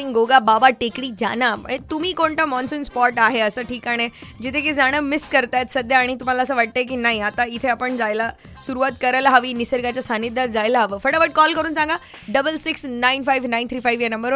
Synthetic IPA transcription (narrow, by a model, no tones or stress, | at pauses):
ĩɡoːɡabaːbaʈeːkɽid͡ʑa̰ːnaɛ̰̃ːt̪ʊmĩkoːɳʈ̪amɔːnsənspɔːɾʈaːɦeɐsə̃ʈʰiːkaːɽ̃ed͡ʑɪt̪ʰekʰezaːɽ̃əmɪskɐɾt̪aːet̪sɐd̪jaaːɽ̃it̪ʊm̤ãlasãʋɐʈ̚t̪aek̬inaːĩɦat̪aɪt̪ʰeɐpəɳ̃zaːɪla | sʊɾuaːt̪kɐɾəlɦaʋinɪsəɾɡat͡ɕasãːnid̪at̪zaːɪlɦaʋfɐɽaʋɐʈ̚kɔːlkɐɾunɪsãːŋɡa | ɖɐbəlsɪksnãːɪnfaːɪʋnãɪ̃nt̪ʰɾiːfaːjʋenɐ̃mbəɾ